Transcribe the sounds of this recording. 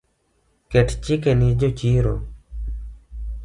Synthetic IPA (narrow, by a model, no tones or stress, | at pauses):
keʈʰt͡ʃikenid͡ʒot͡ʃiːɾo̰